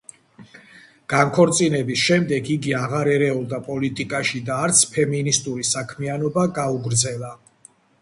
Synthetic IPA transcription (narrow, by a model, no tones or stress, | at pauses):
ɡ̥aŋkʰɔɾt̪sʼinɛbisʃɛmd̪ɛɡʰiɡiaʁaɾɛɾɛulˠd̪apʼɔlit̪ʼikʼaʃid̪aːɾt̪sʰpʰɛminist̪ʼuɾisakʰmianɔbaɡauɡɾd̪zɛlˠa